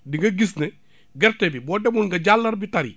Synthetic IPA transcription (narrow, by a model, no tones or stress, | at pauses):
diŋɡɐɡisne | ɡɛɾtɛbibɔːdɛbunɡɐɟalːɐɾbitɐɾḭ